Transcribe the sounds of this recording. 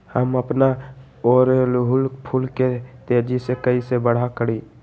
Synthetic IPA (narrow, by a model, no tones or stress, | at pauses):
həməpna | oːɾelɦʊlpʰulket̪eːd͡ʒisekəisebəɽ̤akəɽiː